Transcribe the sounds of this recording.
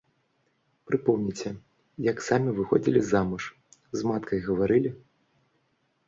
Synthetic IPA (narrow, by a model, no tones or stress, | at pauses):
pɾɨpɔwnʲit͡sʲɛ | jɐksamʲivɨxɔ̰d͡zʲilʲizamɨʂ | zmat̪kʰɐjɣɐvaɾɨlʲi